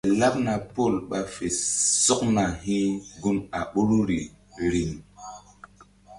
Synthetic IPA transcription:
la˦p̚na˨po˦˨lɓa˨fe˨so˦k̚na˨ɦĩ˦ɡu˦na˨ɓo˦ɾu˦ɾi˨ | ɾi˦ŋ

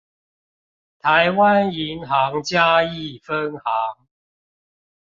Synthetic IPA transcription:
t̪ʰa˨˦jwa˦ni˨˦nɦɑ˨˦ŋt͡ɕja˦i˥˨fə˦nhɑ˨˦ŋ

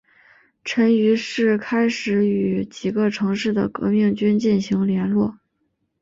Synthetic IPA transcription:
ʈ͡ʂʰə˧˥ny˧˥ʂɻ̩˥˩kʰa˥ɪʂɻ̩˧˥y˨˩t͡ɕi˨˩ɡə˦ʈ͡ʂʰɤ˧˥ŋʂɻ̩˥˩d̪ə̰˩kɤ̰˧˥mi˥˩ŋt͡ɕy˥nt͡ɕi˥˩nɕi˧˥ŋljɛ˧˥nlwɔ˥˩

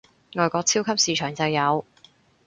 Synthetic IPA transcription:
ŋɔː˨jkʷɔː˧k̚t͡sʰiː˥wkʰɐ˥p̚siː˨˧t͡ʃʰœː˨˩ŋt͡sɐ˨wjɐ˨˧w

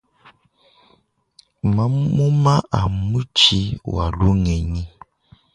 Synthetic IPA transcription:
ma˦mu˦ma˦ʔa˨mu˦t͡ʃi˦wa̰˨lu˦ŋɛ˨ɲi˦

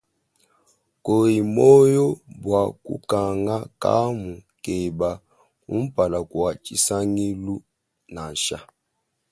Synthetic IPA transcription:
ko˨i˨mɔ˦jɔ˦bwa˨kṵ˦ka˨ŋɡa˦ka̰˦mu˨ke˨ba˨ | ṵ˦m̩˦pa˨la˨kwa˨t͡ʃi˦sa˦ŋi˦lu˦ | na˨n˨ʃa̰˦

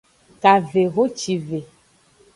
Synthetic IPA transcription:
ka˨ve˨ɣo˦t͡ʃi˨ve˨

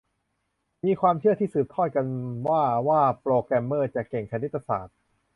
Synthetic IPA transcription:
miː˧kʰwaː˧mt͡ɕʰɯ˥˩ət̪ʰiː˥˩sɯː˨˩p̚t̪ʰɔ˥˩jka˧nwaː˥˩waː˥˩pɾoː˧kɾɛ˧mːɤː˥˩t͡ɕa˨˩kːe˨˩ŋt͡ɕʰa˧ni˦˥t̪ːa˧sa̰ː˨˩t̪̚

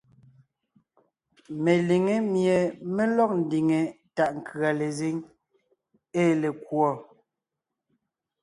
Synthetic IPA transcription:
me˨li˨ŋe˦mje˨me˦lɔ˦˨k̚n̩˨di˨ŋe˨ | ta˦˨ʔŋ̩˨kʰɰa˨le˨ze˦ŋ | eː˦le˨kwɔ˦˨

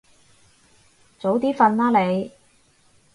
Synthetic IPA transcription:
t͡so˨˥wt̪̬iː˥fɐ˧nlaː˥le˨˧j

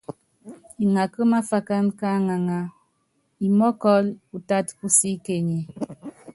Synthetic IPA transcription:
i˨ŋa˨kə˦ma˦fa˨ka˦nka˦ŋa˨ŋa˨ | i˨mɔ˦kɔ˦lu˨ta˦tu˦si˦ke˨ɲe˨

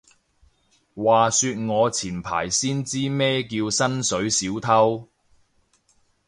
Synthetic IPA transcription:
waː˨˩syː˧t̚ŋɔː˨˧t͡sʰiː˨˩npʰa̰ː˨˩jsiː˥nt͡siː˥mɛː˥kiː˧wsɐ˥nsɵ˨˥ɥsiː˨˥wt̪ʰɐ˥w

